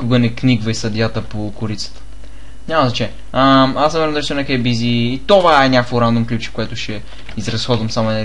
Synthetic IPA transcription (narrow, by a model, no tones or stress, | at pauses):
kʊɡɐnɛkniɡvɐisɐd̪jat̪əpokʊɾit̪sə̥t̪ə̥ | nʲamɐzɐt͡ʃɛ | əmasnɐmɛɾnd̪ɐɾsunɛkɛbiziːt̪ovaɛɲʲakvoɾand̪umklʲut͡ʃɛ̥koɛt̪ʊʃɛ | izɾɐsxɔd̪vɐmsamʊɛnɛ